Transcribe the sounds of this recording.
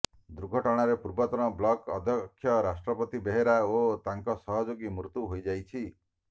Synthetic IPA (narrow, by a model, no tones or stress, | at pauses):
d̪uɾɡʱɔʈɔɽ̃aɾepuɾbɔt̪ɔɽ̃ɔblɔkɔ̰d̪ʱɔkʰːjɔɾasʈɾɔpɔt̪ibeɦeɾaot̪aŋkɔsɔɦɔd͡ʒoɡimɾut̪uɦojd͡ʒajt͡ʃʰi